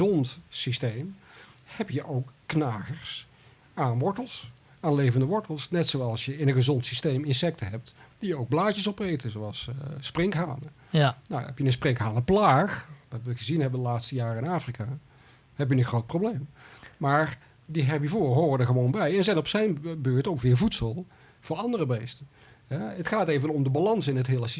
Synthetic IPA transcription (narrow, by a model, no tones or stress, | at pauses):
ɔntsistejmhɛpjəʔowkːnaːχəɹs | anʋɔɹtəlˠs | aːnlejvəndəʋɔɹtəlˠsnɛtsowɑlˠsjəɪnənχəzɔntsistejmɪnsɛk̚təɦɛp̚td̥ijəowɡ̚blaːcəsɔprejtəzowɑlˠssprɪŋkɦa̰ːnə | na̰wɦɛ̰pjənənsprɪŋkɦaːnəplaːxʋɑtʋəɣəzinɦɛbəndəlaːtstəjaːrɪnaːfrikaː | hɛp̬jənənxrowt̚prowblejmmaːɹ | diɦɛbivoːɦoːrədəχəʋownbɛjɛnzɛjnɔpsɛjnbøːɹtowkʋɪːɹvutsəlˠ | v̥ʊːɹɑndərəbejstə | ɦɛətχaːtejvənɔmdəbalɑnsɪnətɦɪːləsi